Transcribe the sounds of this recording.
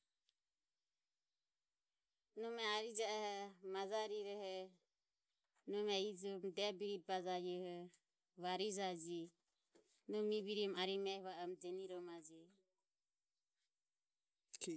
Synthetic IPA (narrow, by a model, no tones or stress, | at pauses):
nɔmɛaɾid͡ʒaɛhɛmad͡ʒaɾiɾɛhɛ | nɔmɛid͡ʒɔmd̪ɛbiɾit̪̚bad͡ʒajɔhɔ | βaɾid͡ʒad͡ʒi | nɔmiβiɾimaɾimɛɛβaɔmd͡ʒɛniɾɔmad͡ʒɛ